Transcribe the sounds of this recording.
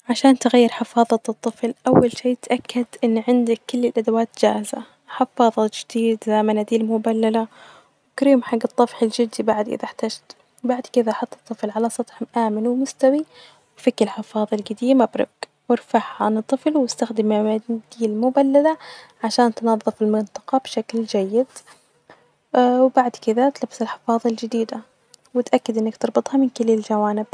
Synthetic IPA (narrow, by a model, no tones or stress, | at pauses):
ʕaʃaːnt̪ɪɣajːɪɾˤħɪfɑːðˤɑt̪ɨt̪ˤːɨflʔawːalʃiːt̪ʔakːad̪ʔɪnːʕɪnd̪akːʊlːɪlʔad̪awaːt̪d͡ʒa̰ːza̰ | ħɪfɑːðˤɑd͡ʒɪd̪iːd̪zaːmanad̪iːlmʊbalːala | wɪkɾiːmħaɡːɑt̪ˤːɑfħɪld͡ʒɪd̪ibaʕd̪ʔɪ̰ðaħt̪aːd͡ʒt̪ | baʕd̪kɪd̪aʔħɑt̪ˤːɨ̥t̪ˤːɨflʕalasˤɑt̪ˤħʔaːmɪnwmʊst̪awi | wfɪkːɪlħɑfɑːðˤɑlɡad̪iːmabɾˤɑ̰ɡ | wɪɾfaʕhanɨt̪ˤːɨflwɪst̪axd̪ɪmaad̪iːlmʊbalːalaʕaʃaːnt̪nɑðˤːɨfɪlmɪnt̪ˤɑ̥qɑbʃakld͡ʒajːɪd̪ | wbaʕd̪kɪðat̪labsɪlħɪfɑːðˤɑld͡ʒɪd̪iːd̪a | wɪt̪ʔakːad̪ʔɪnːakt̪ɨɾˤbɨt̪ˤhɑmɪnkɪliːld͡ʒawaːnɪb̥̚